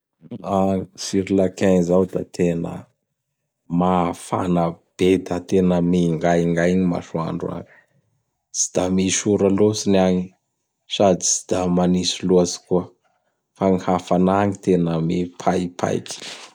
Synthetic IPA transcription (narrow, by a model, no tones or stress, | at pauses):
aŋsiɾilakaŋzawd̪a̰t̪ʰenə̰ | mafa̰nəb̥ed̪at̪enəmiŋɡajŋɡajɲima̰ʃua̰ɳɖ͡ʐua̰ŋi̥ | t͡si̥d̪amiʃuɾalosinaŋi | sad̪i̥t͡si̥d̪̥amanisiluazi̥kuə | faŋihafanaŋit̪enəmipʰajpʰa̰jki̥